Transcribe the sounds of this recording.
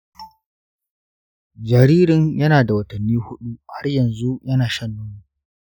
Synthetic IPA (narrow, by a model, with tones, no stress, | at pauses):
d͡ʒɐ˨ɾiː˦ɾɪ˨ɲjɐ˦naː˨da˨wɐ˨tɐ˨nːiː˦hʊ˦ɗu˦ha˦rjɐ˨nzu˦jʔɐ˦naː˨ʃɐ˦nːʊ˦mu˨˦